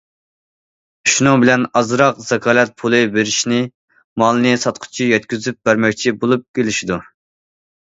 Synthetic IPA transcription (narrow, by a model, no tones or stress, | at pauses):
ʃunɨŋbɪlɛnɑzɾɑqz̥ɛkʰɑːlɛt̪̚pʰulˠɨbeɾɪʃnɪ | mɑlˠɨnɨsɑt̪qʰʊ̥t͡ʃʰijɛt̪̚kʲyzyp̚bæɾmɛkʲt͡ʃʰibolˠup̚kʲelɪʃid̪u